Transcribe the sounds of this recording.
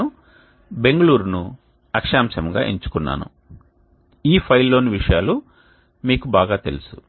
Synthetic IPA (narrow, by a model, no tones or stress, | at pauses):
u | be̞ŋɡɐɭuːɾunu | ɐkʂaːmsɐmɡa̰ːʔeɲt͡ʃu̥kunːa̰ːnṵ | iːpʰɐjlːoːniʋiʂɐjaːlu | miːkubaːɡaːt̪e̞̰lusu̥